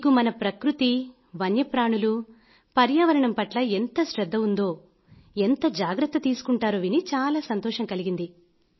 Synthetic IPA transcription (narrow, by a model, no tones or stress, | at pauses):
kumɐnɐpɾɐkɾut̪i | ʋɐnjɐpɾaːɳulu | pɐɾjaːʋɐɾɐɳɐmpɐʈlɐent̪ɐʃɾɛd̪ːɐund̪o̞ː | ent̪ɐd͡ʒaːɡɾɐt̪ːɐt̪iːsu̥kuɳʈaːɾoːʋinit͡ʃaːlaːsɐnt̪ɔːʂɐŋkɐliɡind̪i